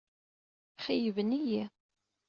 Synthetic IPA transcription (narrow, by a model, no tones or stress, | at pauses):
χijəvənijæ